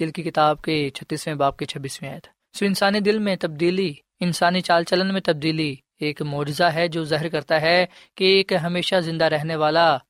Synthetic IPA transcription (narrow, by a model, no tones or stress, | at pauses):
d̪ɪlkikɪt̪aːb̚ket͡ʃʰɐt̪ːiːsmẽbaːb̚ket͡ʃʰɐbːiːsmẽa̰ːjət̪ʰ | suɪnsaːnid̪ɪlmẽt̪ɐb̚d̪iːli | ɪnsaːnit͡ʃaːlt͡ʃələnmẽt̪ɐb̚d̪iːli | eːkmɔːd͡ʒzaɦɛd͡ʒoːzaːɦəɾkɐɾt̪aɦɛkeːkɦɐmeːʃazɪ̃nd̪aɾɛɦneʋaːla